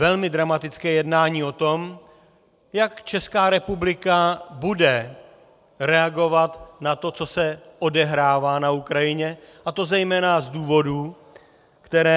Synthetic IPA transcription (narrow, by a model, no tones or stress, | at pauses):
vɛlmɪdɾamat̪ɪt͡skɛːjɛdnaːɲiːo̞t̪o̞m | jakt͡ʃɛskaːɾɛpublɪkabudɛ | ɾɛaɡo̞vat̪nat̪o̞t͡so̞sɛʔodɛɦɾaːvaːnaukɾajɪɲɛʔat̪o̞zɛjmɛːnazduːvo̞duː | kt̪ɛɾɛː